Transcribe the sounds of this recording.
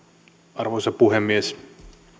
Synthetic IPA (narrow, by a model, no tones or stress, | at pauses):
ɑrʋojsɑpuɦemːies